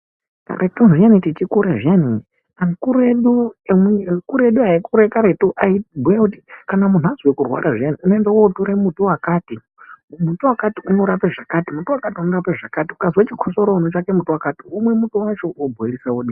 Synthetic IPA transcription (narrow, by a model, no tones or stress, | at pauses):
ka̰rʔetunʐianitit͡ʃikuɾaʐiani | ankuɾeɗuemkuɾeɗuaekuɾekaɾetuʔaibujakutikanamun̤uazwekurwa̰ɾʔaʐianiunoendawoutuɾemutuwakaːti | mutuwakatiunoɾapeʐakatimutuwakatiunorapeʐakatiukazwet͡ʃikʰosoɾounot͡ʃakemutuwakatiumwe̞mutuwat͡ʃoobueɺisawoɗi